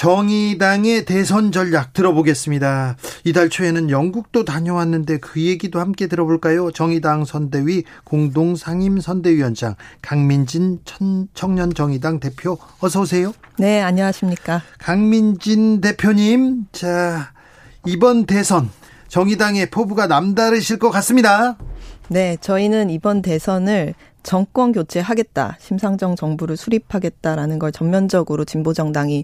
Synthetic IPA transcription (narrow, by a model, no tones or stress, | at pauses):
t͡ɕʌŋidaŋe̞te̞sʰʌnd͡ʑʌʎjak̚t͈ɯɾʌboɡe̞s͈ɯmɲidaidaɭt͡ɕʰue̞nɯnjʌŋɡuk̚t͈otaɲoɦanːɯnde̞kɯje̞ɡidohamk͈e̞dɯɾʌboɭk͈ajot͡ɕʌŋidaŋsʰʌnde̞ɥikoŋdoŋsʰaŋimsʰʌnde̞ɥiwʌnd͡ʑa̰ŋkaŋmind͡ʑint͡ɕʰʌnt͡ɕʰʌŋɲʌnt͡ɕʌŋidaŋte̞pʰjoʌs̬ʰʌos̬ʰe̞jone̞aɲʌwaɕʰimɲik͈akaŋmind͡ʑinde̞pʰjoɲimt͡ɕa | ibʌnte̞sʰʌn | t͡ɕʌŋidaŋe̞pʰobuɡanamdaɾɯɕʰiɭk͈ʌkas͈ɯmɲida | ne̞t͡ɕʌinɯnibʌnte̞sʰʌnɯɭ | t͡ɕʌŋk͈wʌnkjot͡ɕʰeɦaɡe̞t̚t͈a̰ɕʰimsʰaŋd͡ʑʌŋt͡ɕʌŋbuɾɯɭsʰuɾipʰaɡe̞t̚t͈aɾanɯnɡʌɭt͡ɕʌmmjʌnd͡ʑʌɡɯɾot͡ɕimbod͡ʑʌŋdaŋi